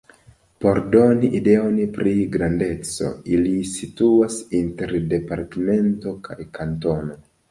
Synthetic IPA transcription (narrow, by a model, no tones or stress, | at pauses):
po̞ɾdo̞niʔide̞o̞npɾiɡɾande̞t͡so̞̰ilisituasinte̞ɾde̞paɾteme̞nto̞kʰajkanto̞no̞